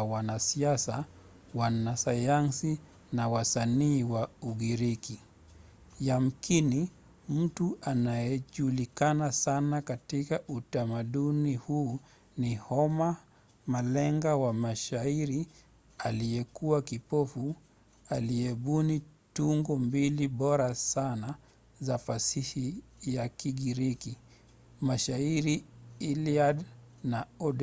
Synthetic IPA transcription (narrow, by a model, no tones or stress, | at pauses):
wanasiasa | wanasajansi | nawasaniːwauɠiɾiki | jam̩kini | m̩tuʔanajɛʄulikanasanakatikaʔutamaɗunihuː | nihɔma | malɛŋɡawamaʃaiɾi | aliɛkuwakipɔfu | aliɛɓunituŋɡɔmbiliɓɔɾasana | zafasihijakiɡiɾiki | maʃaiɾiiliad | naɔɗ